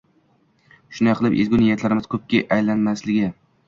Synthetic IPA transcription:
ʃʊnd̪aqɨlˠɪpḛzɡʲʊnɪjat̪ʰlaɾɪmɪz̥kʰɵp̚kʲeʔajlanmaslɪɡʲɪ

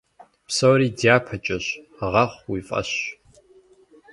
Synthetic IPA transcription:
psɐwɾiːdijaːpʰɐt͡ʃʼɐɕ | ʁɑχʷwifʼɐ̰ɕ

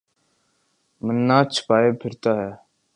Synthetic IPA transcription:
mənːãːt͡ʃʰpaːeːpʰɪɾt̪aːɦɛː

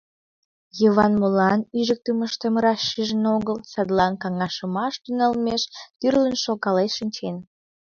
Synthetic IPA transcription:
jəβɑnmolɑnyʒək̚t̪əməʃt̪əmɾɑʃːiʒənoɣəlsɑd̪lɑnkɑŋɑʃəmɑʃt̪ynɑlmeʃt̪yrlənʃokɑleʃənʲt͡ɕen

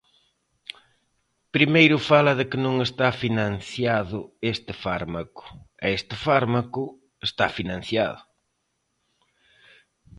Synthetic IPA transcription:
pɾimejɾʊfalɐðɪkɪnõŋest̪afinãnθjaðʊest̪ɪfaɾmakʊ̥ɛest̪ɪfaɾmakʊ | est̪afinãn̟θja̰ðʊ

